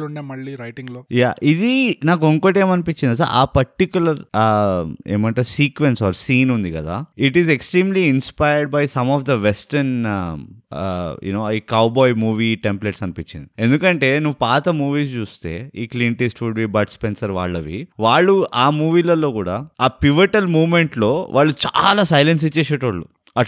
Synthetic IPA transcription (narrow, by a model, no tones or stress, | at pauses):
uɳɖeːmɐɭːiɾɐjʈiŋɡloːjaːʔid̪inaːk̬uuŋkɐʈ̬e̞ːmɐnipiɲt͡ʃind̪isa̰ɾaːpɐɾʈikjulɐɾ | eːmɐɳʈasiːkʋensɔːɾsiːnund̪ikɐd̪a̰ːiʈizeksʈɾiːmliːnspajəɾɖbɐjsɐmɔːfd̪ɐʋesʈɐɾn | jṵnoːikɐwbɔːjmuːʋiːʈempleʈsɐnipit͡ʃːind̪ie̞nd̪ukɐɳʈe̞ːnuʋupaːt̪ɐmuːʋiːst͡ʃuːst̪e̞̰ːiːkliːɳʈisʈʋuɖbiːbɐʈspensɐɾʋa̰ːɭːɐʋḭʋaːɭːuaːmuːʋiːlɐlːo̞ːkuːɽaːaːpiʋɐɾʈɐlmuːʋmeɳʈlo̞ːʋʔa̰ːɭːut͡ʃa̰ːlaːsɐjlens̬it͡ʃːeːseːʈʋɐɭːṵ | ɐ